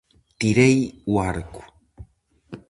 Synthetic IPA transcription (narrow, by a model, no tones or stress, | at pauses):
t̪iɾejwaɾku̥